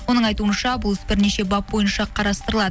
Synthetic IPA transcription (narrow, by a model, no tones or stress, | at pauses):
wo̞nəɴɑjt̪uənʃɑbʊlˠɪsbɪɾneʃe̞bɑp̚bo̞jənʃɑqʰɑɾɑst̪əɾəlˠɑd̪ə